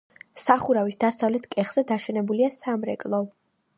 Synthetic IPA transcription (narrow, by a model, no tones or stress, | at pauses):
saχuɾavisd̪asavlɛt̪ʰkʼɛχz̥ɛd̪aʃɛnɛbuliasamɾɛkʼlˠɔ